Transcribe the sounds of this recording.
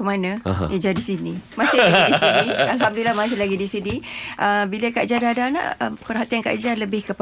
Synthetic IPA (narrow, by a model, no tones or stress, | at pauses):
kəmanã̰jad͡ʒadisinimasɪlaidisinialɦamdilamasɪlaɡidisiniʔəbiləkaʔd͡ʒardadana̰ʔəpərɦat̪ianka̰ʔd͡ʒarləbɪhkəp